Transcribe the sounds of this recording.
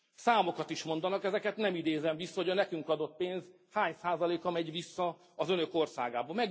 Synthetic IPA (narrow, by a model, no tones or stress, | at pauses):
saːmo̞kɒt̪iʃmo̞nd̪ɒnɒkɛzɛkɛt̪nɛmid̪eːzɛɱvisːɒɦojɒnɛkyŋkɒd̪o̞t̪̚peːnz | haːɲsaːzɒleːkɒmɛɟʋisːɒː | zønø̞ko̞rsa̰ːɡaːbɒmɛɡ